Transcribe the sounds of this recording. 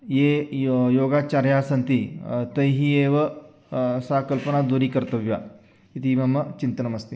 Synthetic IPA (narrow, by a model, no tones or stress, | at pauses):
jejoɡat͡ɕaɾjasənt̪it̪əjɦieʋə | sakəlpənad̪uɾiːkəɾt̪əʋja̰ | it̪ʰiməmːət͡ɕint̪ənəməst̪i